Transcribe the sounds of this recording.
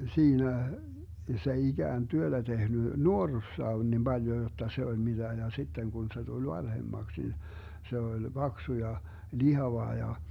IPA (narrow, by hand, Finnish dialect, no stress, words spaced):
siːnæ s ei iɡ̊æːn tyød̥æ tehny nuorːusːɑː on nim b̥ɑljo jotːɑ se olʲ mid̥æ jɑ sitːeŋ ɡ̊un se tul ʋɑnhemːɑks nin se olʲ b̥ɑksu jɑ lihɑʋɑ jɑ